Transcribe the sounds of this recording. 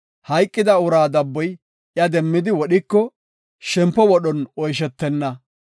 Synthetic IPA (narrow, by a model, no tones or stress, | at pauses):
hɐjkʼːɪd̪ɐʊɾaːd̪ɐbːɔj | jɐd̪ɛmːɪd̪ɪwɔɗɪkːɔ | ʃɛmpːɔwɔɗɔnɔjʃ̬ɛt̪ːɛnːɐ